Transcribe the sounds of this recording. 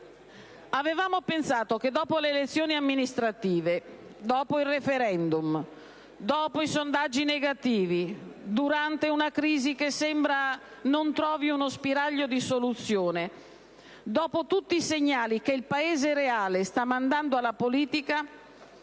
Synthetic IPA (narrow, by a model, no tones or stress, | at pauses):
avevaːmopensaːt̪ok̟ed̪ɔːpoleːlet̪sːjoːniamːinist̪ɾat̪iːved̪ɔːpoilrefeɾɛnd̪um | d̪ɔːpoisond̪ad͡ʒːineɡat̪iːvid̪uɾant̪eunakɾiːzikesːɛmbɾa | nont̪ɾɔːviunospiɾaʎːod̪isolut̪sːjoːne | d̪ɔːpot̪ut̪ːiːseɲːaːlikeilpaeːzeɾeaːlest̪amːand̪and̪oalːapoliːt̪ika